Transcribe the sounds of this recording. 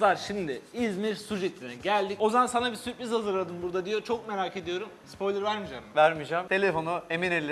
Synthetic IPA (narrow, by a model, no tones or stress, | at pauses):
aɾʃimd̪ɪizmiɾsud͡ʒet̪ʰʲːinɛɟælʲd̪icozamansanabisypizhazɯɾlˠad̪ɯnbuɾd̪ad̪ijo̞t͡ʃʰo̞k̚me̞ɾaːke̞d̪ijo̞ɾumspʰo̞jlʲˠɯɾvæɾmid͡ʒamvæɾmid͡ʒamt̪ʰe̞lʲefo̞nueminelʲ